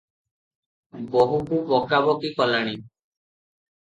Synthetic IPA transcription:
bɔɦukubɔkabɔkikɔlaɽ̃i

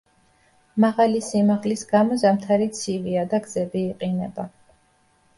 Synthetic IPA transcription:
maʁalisimaʁlisɡ̥amɔzamt̪ʰaɾit̪sʰiviad̪aɡzɛbiːqʼinɛba

